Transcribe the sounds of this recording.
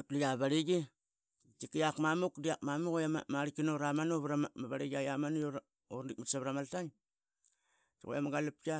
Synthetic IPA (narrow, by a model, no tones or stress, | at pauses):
aplijaβaɾiɡi | t͡ʃikijakmamukdiakmamukojammaɾikinoɾamanoβɾamaβaɾiɡiajamanujoɾ | oɾndik̚mitsaβɾamaltaŋ | tiɣo̰jamaɡalap̚ka